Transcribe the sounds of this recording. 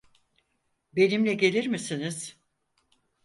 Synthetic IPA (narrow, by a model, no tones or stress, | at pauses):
be̞nimlʲɛɟe̞lʲiɾmisiniz̥